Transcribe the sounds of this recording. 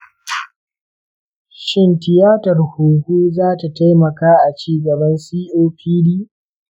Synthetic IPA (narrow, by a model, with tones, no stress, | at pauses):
ʃɪ˦ntɪ˨jaː˦tɐ˨rhuː˨huː˦zaː˦ta˨ta˦jmɐ˨kaː˦ʔa˨t͡ʃiː˦ɡɐ˨bɐ˦nsiː˦ʔoː˦ɸʰiː˦diː˦